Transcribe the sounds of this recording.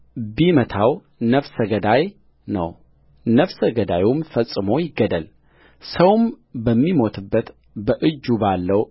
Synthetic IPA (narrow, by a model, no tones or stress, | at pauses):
bimət̪ʰaw | nəfsəɡəd̪aj | nə̰w | nəfsəɡəd̪ajumfəsʼːɨmo̞jɪɡːəd̪əl | səwm | bəmːimo̞t̪ʰɨbːət̪ | bəʔɨd͡ʒːubalːəw